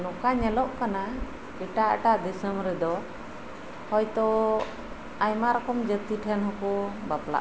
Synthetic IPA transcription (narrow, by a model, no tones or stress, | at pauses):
nɔkaɲɛlɔʔkana | iʈaʔʈaʔd̪ɛsəmɾɛd̪ɔ | hɔjt̪ɔ | ajmaɾɔkɔmd͡ʒət̪iʈʰɛnɦɔkɔbapla̰ʔ